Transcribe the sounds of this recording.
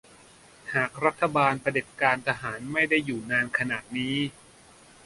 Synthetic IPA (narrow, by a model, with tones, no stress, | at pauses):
haː˨˩k̚ɾa˦˥t̪ʰːa˧baː˧npa˧de˨˩p̚kaː˧nt̪ʰa˧ɦaː˩˦nma˥˩jda˥˩jːuː˨˩naː˧nkʰa˧naː˨˩t̪̚niː˦˥